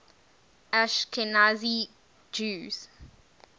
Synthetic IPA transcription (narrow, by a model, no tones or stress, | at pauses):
ʔaʃkʰɛnazi | d͡ʒuːz̥